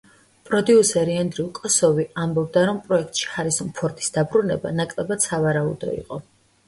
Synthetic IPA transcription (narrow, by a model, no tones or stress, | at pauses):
pʼɾɔd̪iusɛɾiɛnd̪ɾiulˠkʼɔsɔviambɔb̚d̪aɾɔmpʼɾɔɛk̚ʰt̪ʼʃi̥χaɾisɔmpʰɔɾt̪ʼi̥sd̪̥abɾunɛba̰nakʼlɛbad̪̥savaɾaṵd̪ɔ̰ḭqʼɔ